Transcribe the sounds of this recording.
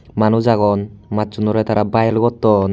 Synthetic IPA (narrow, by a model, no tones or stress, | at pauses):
manud͡ʒaɡɔnmat̪̚d͡ʒunɔɾɛt̪aɾabajlɡɔt̪ːɔn